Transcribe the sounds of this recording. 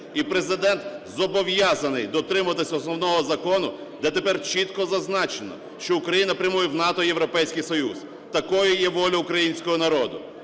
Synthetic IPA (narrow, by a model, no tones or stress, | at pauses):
ipɾe̞zɪd̪ɛnt̪zɔbɔʋjɑzɐnɪjd̪ɔt̪ɾɪmɐɐt̪ɪsʲɐɔsnɔwnɔɦɔzɐkɔnʊ | d̪ɛt̪epɛrt͡ʃit̪kɔzɐznɑt͡ʃenɔ̰ | ʃt͡ʃɔʊkɾɐjinɐpɾʲɐmujɛwnɑt̪ɔjewɾɔpɛjsʲkɪjsɔjuz | t̪ɐkɔjʊjɛʋɔlʲɔʊkɾɐjinʲsʲkɔɦɔnɐɾɔd̪ʊ̰